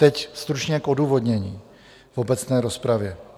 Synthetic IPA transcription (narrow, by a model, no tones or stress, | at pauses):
t̪ɛcst̪ɾut͡ʃɲɛkʔo̞duːvo̞dɲɛɲiː | vo̞bɛt͡snɛːɾo̞spɾavjɛ